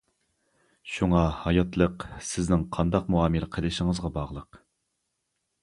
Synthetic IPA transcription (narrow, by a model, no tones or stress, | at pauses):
ʃuŋɑhɑjɑt̪lˠəqsɪznɪŋqʰɑnd̪ɑqmuɑːmɨlqʰəlˠɨʃɪŋəzʁɑbɑʁlˠəq